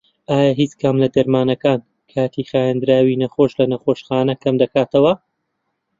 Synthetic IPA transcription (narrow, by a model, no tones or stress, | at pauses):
ʔaːjaɦiːt͡skʰɐmlɐd̪ɐɾmaːnɐkaːn | kʰaːt̪ʰixaːjɐnd̪ɾaːwinɐxoːʃlɐnɐχoːʃxaːnɐkʰɐmd̪ɐkaːt̪ɐwɐ